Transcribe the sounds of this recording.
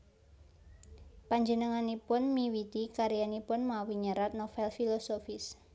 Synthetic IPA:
paɲd͡ʒənəŋanipʊnmiwit̪ikaɾijanipʊnmawiɲəɾat̪̚nofɛlfilosofɪs

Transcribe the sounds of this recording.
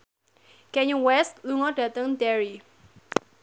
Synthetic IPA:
kɛɲuwɛst̪luŋɔɖat̪əŋd̪ɛɹi

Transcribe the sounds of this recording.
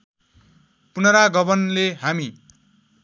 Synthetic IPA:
punʌɾaɡʌbʌnleɦami

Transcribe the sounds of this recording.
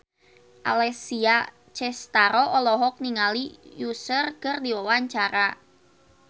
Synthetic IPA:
ʔa̰lɛsia | t͡ʃɛst̪aɾɔʔɔlɔɦɔk̚niŋalijusərkərdiwawaɲt͡ʃaɾa

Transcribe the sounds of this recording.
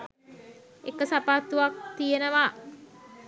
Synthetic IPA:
ekəsapaːt̪uʋak̚t̪ijenəʋa

